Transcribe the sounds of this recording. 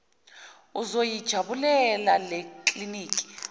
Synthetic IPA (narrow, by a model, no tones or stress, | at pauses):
uzojid̥ʒ̥ʱaɓulɛlalɛkʼliniːkʼi̥